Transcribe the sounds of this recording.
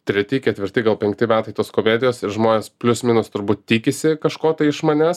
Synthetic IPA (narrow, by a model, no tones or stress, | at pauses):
t̪ʲɾʲɛt̪ʲɪkʲɛt̪ʲʋʲɪɾʲt̪ʲɪɡɐlˠpʲɛŋʲkt̪ʲɪmʲæːt̪ɐɪt̪oːskoːmʲeːd̪ʲɪjoːsɪɾʒmoːnʲeːspʲlʲʊsmʲɪnʊst̪ʊɾbuːt̪̚t̪ʲiːkʲɪsʲɪkɐʃkoːt̪ɐɪɪʃmɐnʲæs